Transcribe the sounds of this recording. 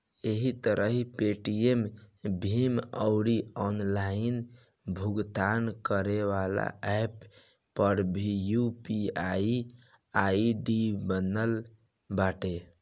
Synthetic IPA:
eɦit̪əɾʔəɦipeʈiembʱiməʊɽiɔnlain | bʱuɡt̪ankəɾeʋala̰ʔɛpː | əɾbʱijupiai | aiɖibənəl | baʈe

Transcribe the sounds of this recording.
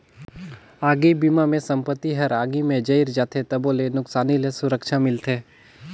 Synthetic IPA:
aːɡibiːmamẽsɐ̃mpət̪ːiɦɐɾaːɡimẽd͡ʒɐiɾd͡ʒaːt̪ʰet̪ɐboːlenʊksaːnilesʊɾəkʃamɪlt̪ʰeː

